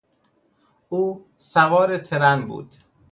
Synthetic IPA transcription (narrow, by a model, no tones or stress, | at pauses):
uː | sævɒːɾet̪ʰeɾænbṵːd̪̥